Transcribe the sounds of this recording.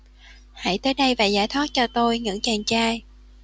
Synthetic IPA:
ha̰˧˥jt̪əː˨˦jɗə˧jvaː˨˩zaː˧˩jt̪ʰwa˦˥t̚t͡ɕɔ˧t̪o˧jɲɨ̰˧˥ŋt͡ɕaː˨˩ŋt͡ɕaː˧j

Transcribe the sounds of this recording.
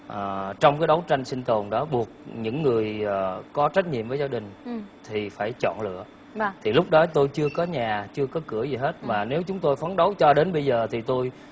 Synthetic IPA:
ʔəː˨˩t͡ɕɔ˧wŋ͡mkaː˨˦jɗə˨˦wt͡ɕa˧jŋsï˧ŋ̟t̪o˨˩nɗɔ˨˦ɓu˨˩ək̚ɲɨ̰˧˥ŋːɨ˨˩əjəː˨˩kɔ˨˦t͡ɕa˦˥t̟̚ɲḭ˧˨əmvəː˨˦jzaː˧ɗï˨˩ŋ̟t̪ʰi˨˩faː˧˩jt͡ɕɔ̰˧˨nlɨ̰˧˨ə˧ | t̪ʰi˨˩lʊ˦˥k͡p̚ɗɔ˨˦t̪o˧jt͡ɕɨ˧əkɔ˨˦ɲaː˨˩t͡ɕɨ˧əkɔ˨˦kɨ˧˩əzi˨˩ɦe˦˥t̚maː˨˩ne˨˦wt͡ɕʊ˨˦ŋ͡mt̪o˧jfə˨˦nɗə˨˦wt͡ɕɔ˧ɗe˨˦nɓə˧jzəː˨˩t̪ʰi˨˩t̪o˧j

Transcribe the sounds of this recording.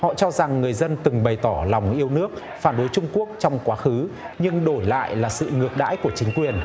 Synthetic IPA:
hɔ̰˧˨t͡ɕɔ˧za˨˩ŋːɨ˨˩əjzə˧nt̪ɨ˨˩ŋɓə˨˩jt̪ɔ˧˩la˨˩wŋ͡mʔi˧əwnɨ˦˥ək̚ | faː˧˩nɗo˨˦jt͡ɕʊ˧ŋ͡mku˦˥ək̚t͡ɕɔ˧wŋ͡mkwaː˨˦xɨ˨˦ | ɲɨ˧ŋɗo˧˩jla̰ː˧˨jlaː˨˩sɨ̰˧˨ŋɨ˨˩ək̚ɗa̰ː˧˥jku˧˩ət͡ɕï˨˦ŋ̟kwi˨˩ən

